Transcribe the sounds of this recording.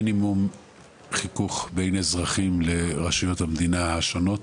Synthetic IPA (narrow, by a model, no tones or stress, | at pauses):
nimum | χikuχbejnezʁaχimle̞ʁaʃijo̞thamd̪inahaʃono̞t